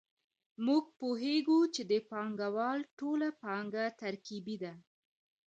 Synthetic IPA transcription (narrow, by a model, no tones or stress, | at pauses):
muɡ̚poɦeɡut͡ʃed̪əpɑŋɡawɑlʈolapɑŋɡat̪aɾkibid̪a